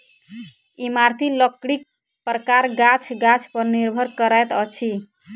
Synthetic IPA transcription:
imaɾt̪ʰiləkɽik̚ | pɾəkaɾɡat͡ʃʰɡat͡ʃʰpəɾniɾbʱəɾkəɾajt̪ət͡ʃʰi

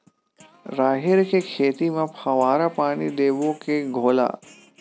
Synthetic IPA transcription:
ɾaːɦɪɾkekʰeːt̪imãpʰɐʋaːɾapaːɽ̃id̪eːʋõkeɡʱoːla̰ː

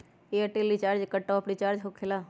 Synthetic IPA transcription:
eɐʈelit͡ʃaːɾd͡ʒkəʈːaɐpnit͡ʃaːɾd͡ʒɦokʰːelaː

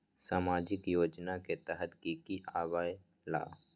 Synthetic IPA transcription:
saːmaːd͡ʒɪkjoːd͡ʒnaket̪ɛɦət̪kikiʔaːʋaːj | la̰ː

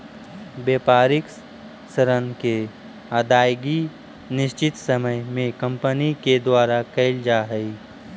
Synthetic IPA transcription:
beːpaːɾɪk | səɾənke | aːd̪aːjɡi | nɪʃt͡ʃɪt̪səməjmẽkə̃mpəniked̪waːɾakɐɪld͡ʒaːɦəi

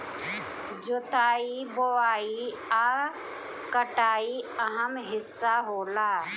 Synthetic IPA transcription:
d͡ʒot̪aːiboʋaːi | aː | kəʈaːiɐɦəmɦɪsːaɦoːlaː

